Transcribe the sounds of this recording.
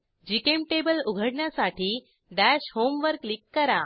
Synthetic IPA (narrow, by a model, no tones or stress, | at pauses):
d͡ʑikemʈebəluɡʱəɽɳjasaʈiː | ɖ̪æɕhomʋəɾklikːəɾa